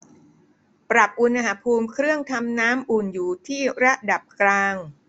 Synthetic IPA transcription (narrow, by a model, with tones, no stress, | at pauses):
pɾa˨˩p̚ʔu˧nʔa˧ɦa˩˦pʰuː˧mkʰɾɯ˥˩əŋt̪ʰa˧mnaː˦˥mʔuː˨˩njuː˨˩t̪ʰiː˥˩ɾa˦˥da˨˩p̚klaː˧ŋ